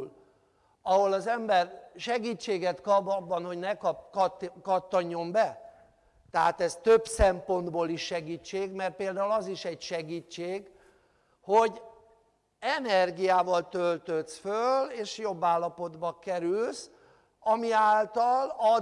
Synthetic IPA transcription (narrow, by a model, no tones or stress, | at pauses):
l | ɒɦo̞lɒzɛmbɛrʃɛɡiːt͡ʃːeːɡɛt̪kɒbɒbːɒnho̞ɟnɛkɒpk̪kɒt̪ːoɲːo̞mbɛ | t̪ɛɦa̰ːt̪ɛst̪øbsɛmpo̞nd̪boːliʃːɛɡiːt͡ʃːeːɡmɛrt̪̚peːld̪aːulɒziʃɛɟʃɛɡiːt͡ʃːeːɡ | ho̞ɟ | ɛnɛrɡijaːvɒlt̪ølt̪øt̪sføleːʃjo̞bːaːlːɒpo̞d̪bɒkɛɾyls | ɒmiaːlt̪ɒlɒ